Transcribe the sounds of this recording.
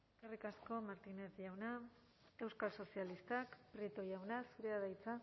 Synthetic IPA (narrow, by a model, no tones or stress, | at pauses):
eskerikasko̞maɾt̪ine̞θʝawna | e̞wskalso̞sialist̪akpɾet̪o̞jawnasuɾe̞aðajt͡sa